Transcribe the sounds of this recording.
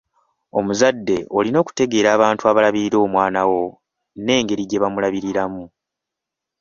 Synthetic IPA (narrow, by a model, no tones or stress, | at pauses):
o̞̰muzadːe̞o̞lino̞ːku̥te̞ɡe̞ːɾaːβaːntuaβalaβiɾiɾo̞ːmwaːnawo̞ | ne̞ːŋɡe̞ɾiɟe̞βamulaβiɾiɾamu